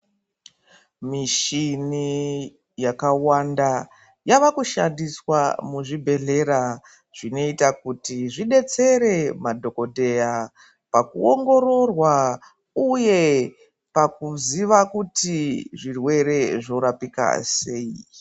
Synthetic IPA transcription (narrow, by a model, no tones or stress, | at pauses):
miʃini | jakawanda | jaʋakuʃandiswamuʐibʱe̞ɮe̞ɾa | ʐ̥ino̞itakutiʐiɗe̞t͡se̞ɾe̞madʱo̞ko̞dʱe̞ja | pakuoŋɡo̞ɾo̞rwa | uje̞ | pak̚uziʋakutiʐirwe̞ɾe̞ʐo̞ɾapika̰se̞i